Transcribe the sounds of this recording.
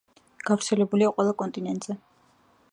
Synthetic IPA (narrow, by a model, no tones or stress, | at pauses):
ɡ̥avɾt̪sʰɛlɛbuliaqʼwɛlˠakʼɔnt̪ʼinɛnt̪ʼz̥ɛ